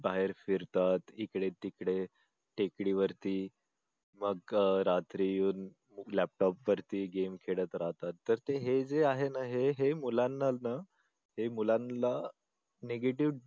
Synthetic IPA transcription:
baɦeɾfiɾt̪at̪ikɽet̪ikɽe | ʈekɽiːʋəɾt̪iː | məɡɾat̪ɾijuːn | læp̚ʈɔpʋəɾt̪iːɡemkʰeɽət̪ɾaɦt̪at̪ːəɾt̪eɦed͡zeaɦenaɦeɦemulanːalna | hemulanla | neɡeʈiʋ

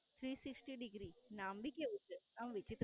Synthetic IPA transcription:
t̪ʰɾiːsiksʈiɖiɡɾinambikʲːeuʈːɨnamʋit͡ʃːit̪

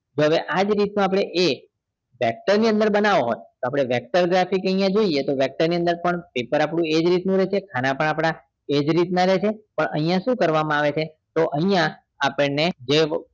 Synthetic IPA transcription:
d͡ʒoɦəʋeʔad͡ʒɾit̪nãap̬ɽ̃eʔe | ʋɛk̚ʈəɾniənd̪əɾbənaʋoɦo̰jt̪oapɽ̃eʋɛk̚ʈəɾɡɾafikəijãd͡ʒoiet̪oʋɛk̚ʈəɾniə̃nd̪əɾpəɳpepəɾapɽũed͡ʒɾit̪nũɾɛt͡ʃʰekʰanãpəɳapɽ̃a | ed͡ʒɾit̪naɾɛt͡ʃʰepəɳə̰ɦijãʃũkəɾʋamãaʋet͡ʃʰe | t̪oʔəɦĩjãː | pəɭned͡ʒe

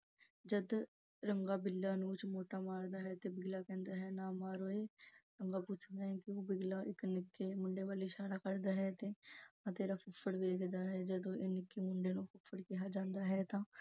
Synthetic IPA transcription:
d͡ʒəd̪ | ɾəŋɡaːbɪlːaːnũːt͡ʃmoːʈaːmaːɾd̪aːɦɛt̪ebɪɡlakɛ̃ːnd̪aɦɛːnãːmaːɾoːeːɾəŋɡapuːt͡ʃʰd̪aɦɛ̃kioːbɪɡlaːʔɪknɪkːemʊ̃ɳɖeʋaːleɪʃaːɾaːkəɾd̪aːɦɛt̪eãːt̪eːɾaːpʊpʰːəɽʋeːkʰd̪aːɦɛːd͡ʒəd̪oʔenɪkːemʊɳɖeːnũːfʰʊpfʰəɽkɛːɦaːd͡ʒãːnd̪aːɦɛt̪ãː

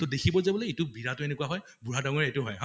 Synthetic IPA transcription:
tɔdekʰibɔzabɔleitʊbiɹatʊenekuwaɦɔj | buɹadaŋɔɹietʊɦɔjɦ

